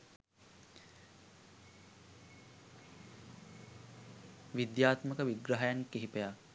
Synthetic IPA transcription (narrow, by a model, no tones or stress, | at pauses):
ʋid̪jaːt̪məkəʋiɡɾaɦajankeɦipeja